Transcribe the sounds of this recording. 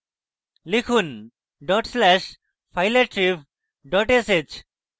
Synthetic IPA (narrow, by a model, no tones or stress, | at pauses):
likʰun | ɖɔʈslɛʃ | pʰajleɾʈɾip | ɖɔʈeset͡ʃ